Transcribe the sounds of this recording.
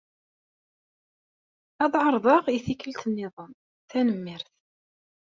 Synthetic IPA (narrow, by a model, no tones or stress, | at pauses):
ɑðˤʕəɾˤðˤɑʁiθikəlt̪ənːɪðˤəm | θænəmːɪɾθ